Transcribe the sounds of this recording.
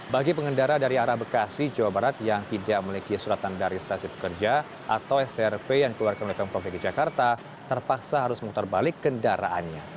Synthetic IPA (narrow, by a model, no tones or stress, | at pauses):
baɡipəŋəndaɾadaɾiaɾahbəkasid͡ʒawabaɾat̪jaŋt̪idak̚məlikisuɾat̪andaɾisasipə̥kərd͡ʒa | ʔa̰t̪awɛst̪eɛrpejaŋdikəluarkanolet̪anpɔfiɡid͡ʒakart̪a | t̪ərpaksaɦaɾʊsmut̪arbalɪkːəndaɾa̰ʔa̰nɲa